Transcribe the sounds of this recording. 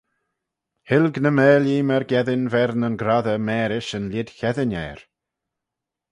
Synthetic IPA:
hɪlɡnəmɛːlimɛɾɡɛðɪnvɛɾnənɡɾaðəmɛːɾɪʃənlɪd̥çɛðɪnɛːɾ

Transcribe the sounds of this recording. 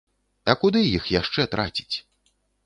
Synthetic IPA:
ɐkud̪ɨjixjaʂt͡ʂɛt̪ɾʔat͡sʲi̥t͡sʲ

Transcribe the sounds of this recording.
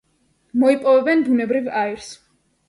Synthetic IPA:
mɔipʼɔvɛbɛnbunɛbɾivaiɾs

